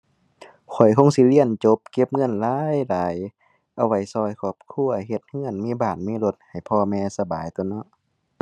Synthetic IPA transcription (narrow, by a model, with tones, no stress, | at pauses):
kʰɔ˨˩jkʰo˧˥˨ŋsi˧˦li˧˥˨ənt͡ɕo˧˦p̚ke˧˦p̚ŋɤ˧˨nlaː˧˥jlaː˨j | ʔa˧wa˧˩jsɔː˧˩jkʰɔː˧˩p̚kʰu˧˥˨ɐɦe˧t̪̚hɯ˧˥˨ə˨nmiː˧˥˨baː˨˩n̚miː˧˥˨lo˧˦t̪̚ha˨˩jpʰɔː˧mɛː˧sa˧baː˨jt̪u˧˦nɔ˧˦˨ʔ